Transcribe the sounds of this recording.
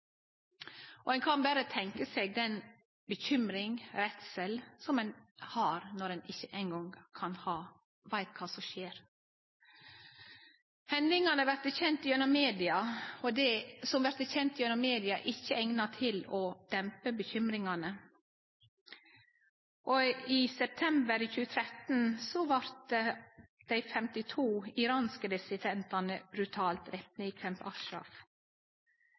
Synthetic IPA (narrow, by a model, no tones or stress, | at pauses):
ʔɔɛnkʰɑnbæɾət̪ʰɛŋkəseːɡ̚d̪ɛn | bəçʏmɾɪŋɾɛt̪sɛlsɔmɛnhɑɾnɔɾɛnɪçːəʔæɪnɡɔŋkʰɑnhɑː | ʋæɪt̪kʰɑːsɔmʃeːɾ | hɛnd̪ɪŋɑnəʋæɾt̪əçɛnt̪ɪjʉnɔmmeːd̪ɪɑɔd̪ɛsɔmʋæɾt̪əçɛnt̪ɪʉnɔmeːd̪ɪɑ̰ʔɪçːəɛŋnɑt̪ʰɪlɔd̪̥ɛmpəbəçʏmɾɪŋɑnə | ʔɔiːsɛp̚t̪ʰɛmbəɾiːçʉːət̪ʰɾɛt̪n̩sɔʋɑɾt̪əd̪̥æɪfɛmt̪ɪt̪ʰuːɪɾɑːnskəd̪ɪsɪd̪ɛnt̪ɑnəbɾʉt̪ʰɑːlt̪ɾɛt̪nəikʰɾɛmpɑ̰kʃɾɑ̰f